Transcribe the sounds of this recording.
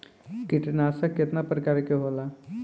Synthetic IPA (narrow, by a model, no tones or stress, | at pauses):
kiʈinaəsaket̪napɾəkaɾkeɦola